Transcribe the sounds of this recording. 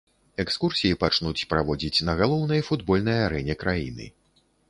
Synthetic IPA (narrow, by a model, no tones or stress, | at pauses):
ɛkskursʲijipat͡ʂnut͡sʲpɾavɔd͡zʲit͡sʲnɐɣalˠɔwnɐjfud̪bɔlʲnɐjaɾɛnʲɛkɾajinɨ̰